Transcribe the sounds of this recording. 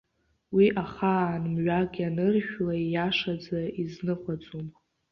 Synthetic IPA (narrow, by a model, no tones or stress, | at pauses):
wiʔaχanmɥʷakʲʼanɨrʃᶣlajaʂad͡zaiznɨχʷat͡sʼum